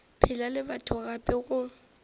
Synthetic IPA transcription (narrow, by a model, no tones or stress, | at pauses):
pʰɪlalɪbatʰʊɣapʼɪɣʊ